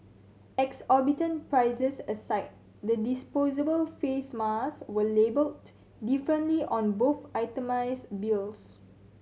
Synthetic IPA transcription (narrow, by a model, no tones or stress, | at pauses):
ɛksɔbitə̃npɹaɪzəsəsaɪt̚ | dədispozəbəlfesmaswəlebəl | difɹə̃ntliʔɔ̃nboθaɪtəmaɪsbils